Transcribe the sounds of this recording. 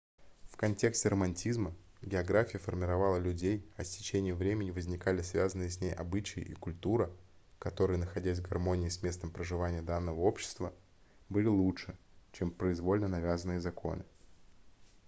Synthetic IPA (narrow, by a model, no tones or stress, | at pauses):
fkɐnʲtʲeksʲtʲɪɾəmɐnʲtʲizmə | ɡʲɪɐɡɾafʲɪjəfərmʲɪɾɐvɑlˠəlʲʉdʲejɐsʲtʲɪ̥t͡ɕenʲɪjəmvɾʲemʲɪnʲɪvəzʲnʲɪkalʲɪsvʲazənːɨjɪsʲnʲejʔɐ̰bɨt͡ɕɪjɪ̰ʔḭkʊlʲt̪uɾə | kɐt̪o̞ɾɨjənəxɐdʲæs̬ʲvɡɐrmo̞nʲɪːsmʲe̞st̪əmpɾəʐɨvanʲɪjəd̪anːəvəo̞pɕːɪ̥st̪və | bɨlʲɪlˠutʂɨ | t͡ɕempɾəɪzvo̞lʲnənɐvʲazənːɨjəzɐkʰo̞̰nɨ